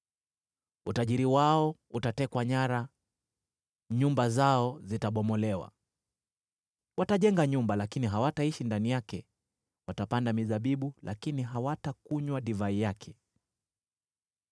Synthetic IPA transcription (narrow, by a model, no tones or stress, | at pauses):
utaʄiɾiwaɔutatɛkwaɲaɾa | ɲumbazaɔzitaɓɔmɔlɛwa̰ | wataʄɛŋɡaɲumbalakiniɦawataiʃindanijakɛ | watapandamizaɓiɓulʔa̰kiniɦawatakuɲwaɗivaijakʰɛ̥